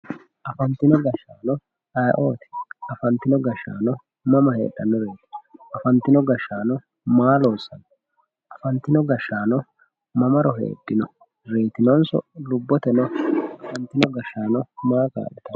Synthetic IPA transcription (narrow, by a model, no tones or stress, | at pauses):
ʔɐfɐnt̪ɪnɔɡɐʃːaːnɔ | ɐjʔoːt̪ɪ̥ɐfɐnt̪ːɪnɔɡɐʃːa̰ːnɔ | mɐmɐhe̞̰ːᶑɐnːɔɾeːt̪ɪnɔʔɐfɐnt̪ːɪnɔɡɐʃːaːnɔ | maːlo̞ːsːɐnɔ | ʔɐfɐnt̪ːɪnɔɡɐʃːaːnɔ | mɐmɐɾɔɦḛːɗːɪnɔ | ɾe̞ːt̪ɪnɔnsɔ̰lʊbːɔt̪ɛnɔɐfɐnt̪ːɪnɔɡɐʃːaːnɔmaːka̰ːʔɛt̪ɐ